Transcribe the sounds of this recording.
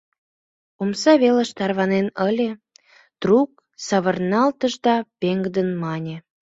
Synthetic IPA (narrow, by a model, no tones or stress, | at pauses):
omsɑβeləʃt̪ɑrβɑnenəlʲe | d̪̥ruk̚ | sɑβərnɑlt̪əʒd̪ɑpeŋɡd̪ənmɑnʲe